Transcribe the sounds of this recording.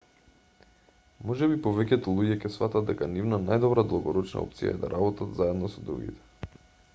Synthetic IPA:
mɔʒɛbipɔvɛcɛt̪ɔlˠuɟɛcɛsfat̪ad̪ɛkanivnanajd̪ɔbɾad̪lˠaɡɔɾɔt͡ʃna̰ɔ̰pt̪sija̰ɛ̰d̪a̰ɾʔabɔt̪at̪zaɛd̪nɔsɔd̪ɾṵɡʲḭt̪ɛ̥

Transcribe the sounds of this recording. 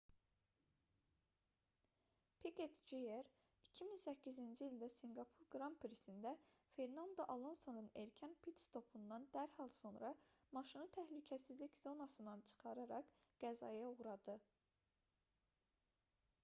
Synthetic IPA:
pʰeɡet̪d͡ʒeeɾ | icʰiminsæcʰːizind͡ʒiilʲd̪æsiŋɡɑpʰuɾɡɾɑmpʰɾisind̪æfe̞ɾnɑnd̪oʔɑlˠonsonuneɾcʰænpʰit̪st̪ʰo̞pʰund̪ɑnd̪æɾhɑlˠso̞nɾɑmɑʃinɯt̪ʰæhlycʰæsizliczo̞nɑsɯnd̪ɑnt͡ʃʰɯ̥χɑɾɑɾɑqɡ̥æzɑ̰jɑuʁɾɑd̪ɯ

